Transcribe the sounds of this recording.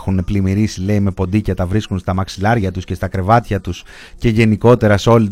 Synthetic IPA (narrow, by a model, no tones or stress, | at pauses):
xuneplimiɾisile̞ime̞po̞nd̪icɐt̪ɐvɾiskunst̪ɐmɐksilɐɾʝɐt̪usce̞st̪ɐkɾe̞vɐt̪çɐt̪us | ce̞ʝe̞niko̞t̪e̞ɾɐseolit̪